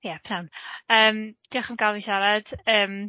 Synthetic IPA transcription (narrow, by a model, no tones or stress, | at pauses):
jɛpʰnawnəːmd̥iaχənɡalˠviʃaɾad̥əːm